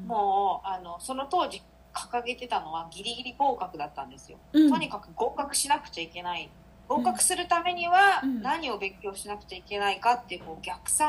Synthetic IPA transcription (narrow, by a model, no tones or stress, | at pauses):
moːano̞so̞no̞t̪o̞ːʑi | kʰḁkaɡe̞t̪e̞t̪ano̞βaɡʲiɾʲiɡʲiɾʲibo̞ːkakɯ̟d̪at̪ːãnd̪e̞sɨjo̞̰t̪o̞ɲ̟ikakɯ̟ɡo̞ːkakɯ̟̥ɕinakɯ̟̥t͡ɕaike̞nai | ɡ̥o̞ːkakɯ̟̥sɨɾɯ̟t̪ame̞ɲ̟iβanaɲ̟io̞bẽ̞ŋkʲo̞ːɕinakɯ̟̥t͡ɕaike̞naikat̪ːeɯ̟koːɡʲakɯ̟̥sã